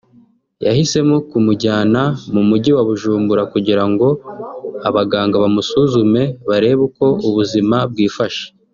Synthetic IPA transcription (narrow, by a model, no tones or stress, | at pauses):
ja̰hise̞mokumuɟaːnamumuɟiwaβuʒuːmbuɾakuɟiɾaŋɡo̞ | aβaɡaːŋɡaβamusuzume̞βaɾe̞βuko̞ʔuβuzimab̚ɡiːfaʃe̥